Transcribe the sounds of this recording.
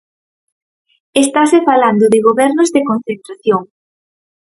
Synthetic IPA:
est̪asefaland̪ʊðɪɣoβɛɾnozðekonθent̪ɾaθjoŋ

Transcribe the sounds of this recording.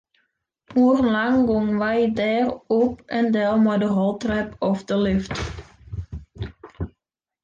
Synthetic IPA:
hurlɑŋɡɔŋʋɛjdɛːrɔp̚ɛndɛlˠmadəɦɔlˠtrɛpɔfdəlʏft

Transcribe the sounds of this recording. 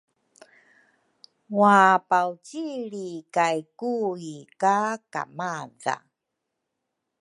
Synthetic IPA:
wapawciɭikajkuikaka̰maza̰

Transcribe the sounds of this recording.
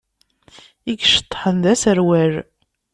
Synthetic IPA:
iɡʃə̥t̪ˤːħənðæsəɾwæɾ

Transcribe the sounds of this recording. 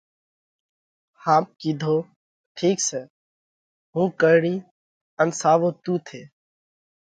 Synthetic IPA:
haːp̚kiːd̪ʱoː | ʈʰiːkseː | ɦũːkəːɽiː | ənsaːʋõːt̪uːt̪ʰeː

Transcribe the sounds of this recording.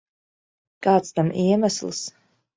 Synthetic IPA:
kaːt̪st̪amʔiɛmaslˠs

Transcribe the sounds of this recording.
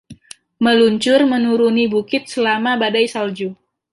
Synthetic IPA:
məluɲt͡ʃʊrmənuɾunibukɪt̪̚səlamabadajsald͡ʒu

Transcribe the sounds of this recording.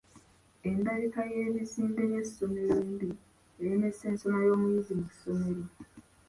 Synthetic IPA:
e̞ndaɾikaje̞ːβisiːmbe̞je̞some̞ɾiːmbi | eɾine̞sːe̞ːnsonajo̞ːmujizimuso̞me̞ɾi

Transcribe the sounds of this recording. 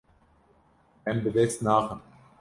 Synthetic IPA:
ɛmbɨd̪ɛst̪naːxəm

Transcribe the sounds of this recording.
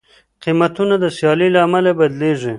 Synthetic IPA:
qimat̪unad̪əsjɑlilaːmalabad̪leʐi

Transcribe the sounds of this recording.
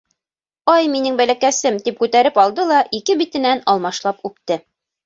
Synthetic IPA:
ɑjminɘŋbælækæsɘmt̪ip̚kʉt̪æɾɘpɑlˠd̪ɤlˠɑʔikɘbit̪ɘ̆nænɑlˠmɑʃlˠɑpʉpt̪ɘ

